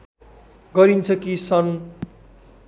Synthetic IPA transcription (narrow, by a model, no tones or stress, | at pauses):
ɡʌɾint͡sʰʌkisʌn